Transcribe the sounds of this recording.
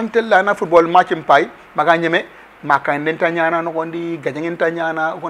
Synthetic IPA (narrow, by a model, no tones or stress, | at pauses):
antelːanafut̚bolmat͡ʃimpai | makaɲeme | makːaidintaɲananokondiɡad͡ʒaŋintaɲanak